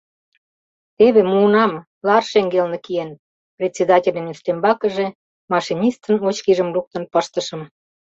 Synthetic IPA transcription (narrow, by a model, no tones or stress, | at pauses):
eβemuːnɑm | lɑrʃeŋɡelnĕkijen | prʲet̪ʲt͡sʲːed̪ɑtʲelʲĕnyʃt̪embɑkə̆ʒĕ | mɑʃinʲist̪ə̆not͡ɕkiʒə̆mluk̚t̪ə̆npəʃt̪ə̆ʃə̆m